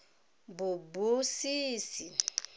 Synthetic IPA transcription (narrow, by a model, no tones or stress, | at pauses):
bubusiːsi